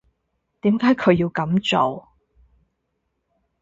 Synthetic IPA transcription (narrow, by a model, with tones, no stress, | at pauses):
t̪iː˨˥mkaː˨˥jkʰɵ˨˧ɥjiː˧wkɐ˨˥mt͡so˨˩w